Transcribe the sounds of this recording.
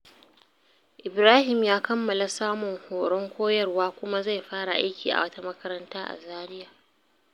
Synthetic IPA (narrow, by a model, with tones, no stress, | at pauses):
ʔɪ˨bɾaː˦hɪ˨mjaː˦kɐ˦mːɐ˨la˦saː˦mʊ˨ŋhoː˨ɽɔ˦ŋkʷoː˦jɐ˦˨rwaː˦kʷʊ˦ma˦za˦˨jɸaː˦ɽa˨ʔa˦jkʲiː˨ʔa̰˨wɐ˦ta˦mɐ˦kɐ˦ɾɐ˦ntaː˦ʔa̰˨zaː˦ɾɪ˦jaː˨